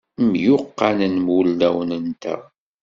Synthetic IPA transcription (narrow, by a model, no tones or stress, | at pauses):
mjʊqːanənmwʊld̪æwənənt̪æ̰